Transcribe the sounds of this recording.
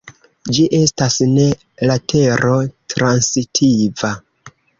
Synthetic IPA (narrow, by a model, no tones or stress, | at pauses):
d͡ʒiʔe̞stasne̞ | latʰe̞ɾo̞tɾansitʰiva